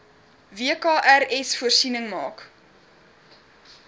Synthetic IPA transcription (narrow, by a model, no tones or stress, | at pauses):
viəkɑːʔærɛsfuərsinəŋmɑːk